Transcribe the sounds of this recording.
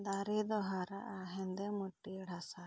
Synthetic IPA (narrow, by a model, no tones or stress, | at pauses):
d̪aɾid̪ɔɦaɾa̰ʔaɦɛnd̪ɛmuʈːiɽasa